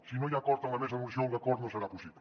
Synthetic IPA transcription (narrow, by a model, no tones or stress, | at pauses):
sinõʎakɔɾt̪aŋɐmesmɐmusjõŋkakɔɾnõseɾapusiβ